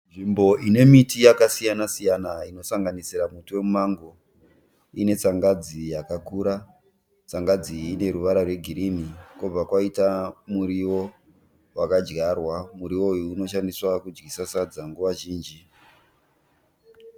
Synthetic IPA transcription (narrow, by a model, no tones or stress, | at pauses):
nʐimbo̞ʔine̞mitijakasijanasijanaino̞saŋɡanisiɾamutuwe̞mumaŋɡo | ine̞t͡saŋɡad͡zijakakuɾa | t͡saŋɡad͡ziːne̞ɾuʋaɾarwe̞ɡʱiɾimikub͡vakwaitamuɾiwo̞ | wakad͡ʒɡarwamuɾiwo̞juːno̞ʃandiswakud͡ʒɡisasad͡zaŋɡuʋaʒiːnd͡ʒi